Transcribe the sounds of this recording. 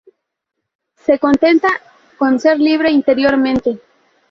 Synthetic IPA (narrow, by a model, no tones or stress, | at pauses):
se̞ko̞nt̪e̞nt̪a | ko̞nse̞ɾliβ̞ɾe̞int̪e̞ɾjo̞ɾmẽnt̪e̞